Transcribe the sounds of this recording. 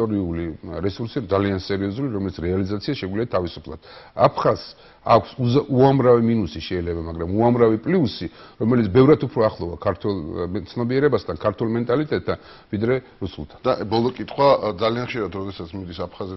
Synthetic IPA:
ɔɾiuliɾɛsuɾsid̪zaliansɛɾiɔzuliɾɔmɛlit̪sʰɾɛalizat̪sʰiaʃɛɡwliat̪ʰavisu̥pʰlˠa̰d̪̥apʰχaz | a̰kʷʰsuamɾaviminusiʃɛilɛbamaɡɾamuamɾavipʼliusiɾɔmɛlit̪sʰbɛvɾat̪ʰupʰɾɔaχlˠɔvakʰaɾt̪ʰwɛlˠt̪sʰnɔbiɛɾɛbast̪ʰankʰaɾt̪ʰulˠmɛnt̪ʼalit̪ʼɛt̪ʰːan | vid̪ɾɛ | ɾusulˠt̪ʰḁnd̪abɔlˠɔkʼit̪ʰχwad̪zalianχʃiɾat̪ɾɔd̪ɛsat̪sʰmid̪isapʰχazɛ

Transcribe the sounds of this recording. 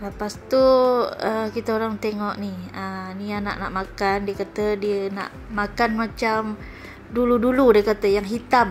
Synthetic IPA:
ləpast̪uəkit̪əoɾaŋt̪eŋɔʔniəniana̰ʔna̰ʔmakandiəkat̪ədiəna̰ʔ | makanmat͡ʃam | duluduludiəkat̪əjaŋɦit̪am

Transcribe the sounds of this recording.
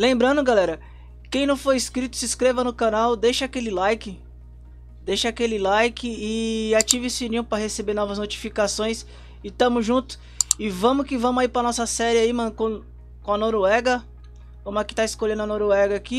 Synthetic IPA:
lẽmbɾɐ̃nd̪ʊɡalɛɾɐ | kẽj̃nɐ̃w̃fojiskɾit̪ʊ̥sɪskɾevɐnʊkanawd̪ejʃɐakelɪlajkɪ | d̪ejʃɐakelɪlajkɪːat͡ʃivɪsinĩpɾɐɦesebeɾnɔvɐznot͡ʃi̥fikasõj̃s | ɪt̪ɐ̃mʊzʒũt̪ʊ̥ | ɪvɐ̃mʊkɪvɐ̃mʊaipɾɐnɔsɐsɛɾɪaimɐ̃kõ | kõɐnoɾoɛɡɐ | kõmʊɐkɪ̥t̪aɪiskolẽnʊɐnoɾoɛɡɐaki

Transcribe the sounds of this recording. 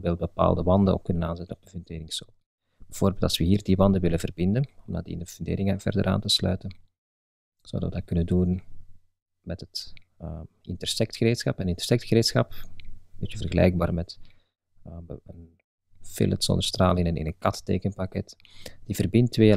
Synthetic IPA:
beːlˠt̚bəpa̰ːlˠdəʋɑndəo̰kːɵnənaːnzɛtənɔp̚dəvʏndeːɾɪŋsoː | bəv̥oːrbeːlˠtɑswəɦiːrdiʋɑndəʋɪlənvərbɪndənɔmdɑdḭɪ̰ndəvəndḛːɾɪŋav̥ɛ̰rdə̰ɾʔa̰ːntəslœ̰ːɥtən | z̥o̰wdəʋədɑt̚kɵnəndun | mɛtɦətː | ɪntərsɛk̚txəɾeːtsxɑpənɪntə̥rsɛk̚txəɾeːtsxɑpdɛtjəvərɣəlɛ̰jɡ̚baːrmɛt | ən | fɪ̰lətsɔ̰nd̪ərstraːləɪnənɪ̰nənkɑttḛːkənpakɛt | d̥ivərbɪntʋeː

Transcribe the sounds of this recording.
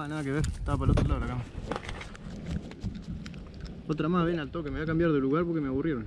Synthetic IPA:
anaðakeβ̞eɾt̪aβap̬alot̪ɾolalakama | ot̪ɾamaβenalt̪okemeβak̬ambjaɾðeluɣaɾpoɾkemeaβurje̞ɾon

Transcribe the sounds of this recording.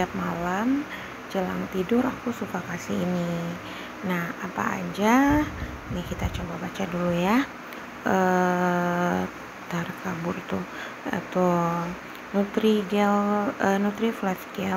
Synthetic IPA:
ap̚malam | d͡ʒəlaŋt̪idʊrakusukakasiːni | nahapa̰ːd͡ʒa | nakit̪at͡ʃobabat͡ʃaduluja | ʔə | t̪arkabʊrt̪ʊ | a̰t̪u | nut̪ɾidɛlənut̪ɾiflɛfɡɛ

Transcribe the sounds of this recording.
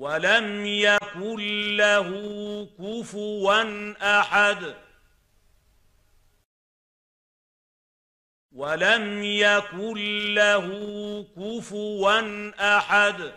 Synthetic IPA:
walamjakʊlːaɦʊkʊfʊwanʔaħad̪ | walamjakʊlːaɦʊkʊfʊwanʔaħad̪

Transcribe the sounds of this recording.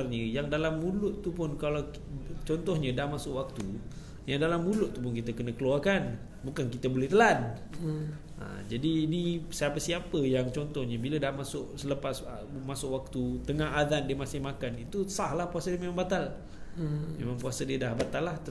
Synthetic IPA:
rɲəjaŋdalamːulʊʔt̪upʊnkalaw | t͡ʃɔnt̪ɔhɲə̃dahmasʊʔwak̚t̪u | jaŋdalamːulʊʔt̪ːupʊnkit̪əkənəkəluarkan | bukankit̪əbolɛht̪əlan | ʔə̰d͡ʒadiːnisəapəsiapəjaŋt͡ʃɔnt̪ɔhɲəbilədahmasʊʔsələpasə | masʊʔwak̚t̪ut̪əŋaɦad̪andiəmasɪhmakanit̪usahlahpuasadiəmemãŋmbat̪al | mḛmãŋpuasədiədahbat̪alːaht̪

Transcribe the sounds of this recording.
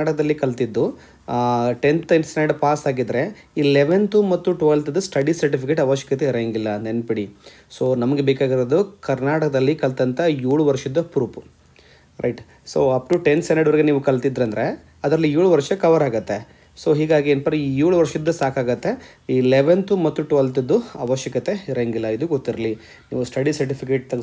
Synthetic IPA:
aːʈɐkɐd̪ɐlːikɐlt̪id̪ːu | ʈent̪ɐjnsneɖpaːsaːɡid̪ɐɾe̞ | iːleʋent̪umɐt̪ːuʈuʋɐlt̪ɐd̪ɐsʈɐɖisɐɾʈ̬ipʰik̬eːʈɐʋɐʃjɐ̥kɐt̪iɾeŋɡilːɐnenpiɽi | soːnɐmɐɡe̞beːkaːɡiɾod̪ukɐɾnaːʈɐkɐd̪ɐlːikɐlt̪ɐnt̪ɐjuːɭuʋɐɾʂɐd̪ːɐpɾuːpu̥ | ɾʔɐ̰jʈ | soːɐp̚ʈuʈensenɐɖɐʋɐɾiɡeniːʋukɐlt̪id̪ɾɐnd̪ɐɾe̞ | ɐd̪ɾɐlːijuːɭuʋɐɾʂɐkɐʋɐɾaːɡut̪ːe̞ | so̞ːɦiːɡaːɡienpɐɾijuːɭuʋɐɾʂid̪ːɐsaːkaːɡɐt̪ːe̞ | iːlɛʋent̪umɐt̪ːuʈuʋɐlt̪id̪ːuɐʋɐʃjɐkɐt̪e̞iɾeŋɡilːɐid̪uɡot̪ːiɾɐli | nḭːʋusʈɐɖisɐɾʈipʰik̬eːʈ̚t̪ɐ

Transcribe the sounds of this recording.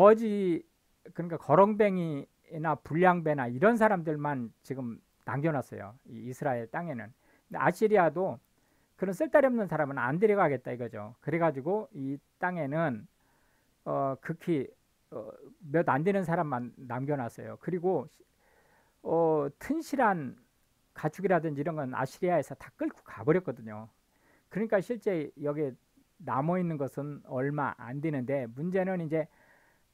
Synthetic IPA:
ʌd͡ʑi | kɯɲik͈akʌɾʌŋbe̞ŋi | napuʎːaŋbe̞naiɾʌns̬ʰaɾamdɯɭmant͡ɕiɡɯm | na̰mɡjʌnas͈ʌ̰jo̰iːsʰɯɾaeɭt͈aŋe̞nɯn | dea̰ɕ͈iɾiado | kɯɾʌns͈ɯɭt͈aɾiʌmnɯnsʰaɾamɯna̰ndeɾjʌɡaɡe̞t̚t͈aiɡʌd͡ʑo̰kɯɾe̞ɡad͡ʑiɡoit͈aŋe̞nɯn | ʌkɯkʰi | ʌ̰mjʌdandenɯnsʰaɾamːanːamɡjʌnas͈ʰʌjo̰kɯɾiɡo | ʌtʰɯnɕʰiɾan | kat͡ɕʰuɡiɾadɯnd͡ʑiɾʌnɡʌna̰ɕʰiɾiae̞sʰʌtḁk͈ɯɭkʰo̥kabʌɾjʌk͈ʌdɯɲo | kɯɾʌɲik͈aɕʰiɭt͡ɕ͈e̞jʌɡie | namʌinːɯnɡʌsʰɯnʌɭma̰ʔa̰ndenɯnde̞mund͡ʑe̞nɯnind͡ʑe̞

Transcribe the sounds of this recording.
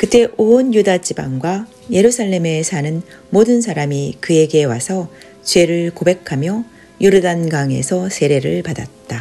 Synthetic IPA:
kɯt͈e̞ʔonjudat͡ɕibaŋɡwa | je̞ɾusʰaɭːe̞me̞sʰanɯn | modɯnsʰaɾamikɯe̞ɡe̞wasʰʌ | t͡ɕwe̞ɾɯɭkobe̞kʰamjʌ | juɾɯdanɡaŋe̞̰sʰʌsʰe̞ɾe̞ɾɯɭpadat̚t͈a

